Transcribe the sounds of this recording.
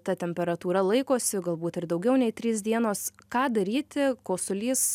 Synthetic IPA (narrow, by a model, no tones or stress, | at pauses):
t̪ɐt̪ʲɛmʲpʲɛɾɐt̪uːɾɐlˠɐɪkoːsʲɪɡɐlˠbuːt̪ɪɾd̪ɐʊɡʲɛʊnʲɛɪt̪ʲɾʲiːsd̪ʲiɛnoːskɑːd̪ɐɾʲiːt̪ʲɪkoːsʊlʲiːs